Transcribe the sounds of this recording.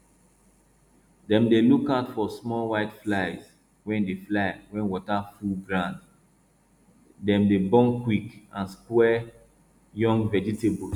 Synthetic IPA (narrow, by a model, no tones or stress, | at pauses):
dɛ̃mdelukatfɔsmɔlwaɪtflaɪz | wɛ̃ndeflaɪwɛ̃nwɔtafulɡɹãnd | dɛ̃mdebɔ̃ŋkwikãnskwɛ | jɔ̃ŋɡvɛd͡ʒitebɔs